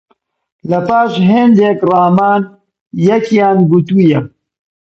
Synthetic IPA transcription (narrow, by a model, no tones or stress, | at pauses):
lɐpaːʃɦend̪ekrɑːmaːn | jɐkjaːnɡut̪uːjɛ